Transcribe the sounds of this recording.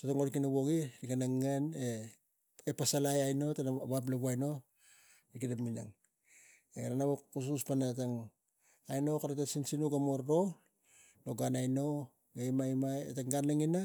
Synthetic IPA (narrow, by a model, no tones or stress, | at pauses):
totaŋoɾkinaβoɡiikanaŋːane | epasalajajno̞tanβap̬laβuajno̞ | ikidapmina̰ŋ | eɡɾanaβokus̬uspanataŋ | ajno̞kaɾatasinsinuɡamoɾɾo̞ | noɡanajno̞ | ɡajmajmajetaŋɡanlaŋina